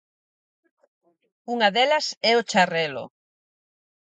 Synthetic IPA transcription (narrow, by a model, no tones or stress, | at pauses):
uŋɐðɛlɐsɛot͡ʃarɛlʊ̰